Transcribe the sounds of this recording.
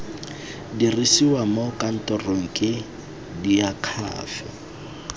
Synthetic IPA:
dirisiwamokʼan̩tɔroŋ̩kʼɪ | diakʰa̰ːfɛ

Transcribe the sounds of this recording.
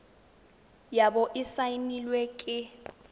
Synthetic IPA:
jabɔʔɪsainilwekʼɪ

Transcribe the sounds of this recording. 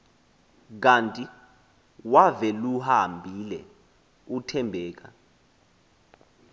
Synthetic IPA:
k̬antʼi | wavɛluhambʱilɛ | utʰɛmbʱɛːk̬a

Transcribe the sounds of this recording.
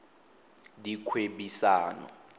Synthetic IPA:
dikʰweɓisaːnɔ̰

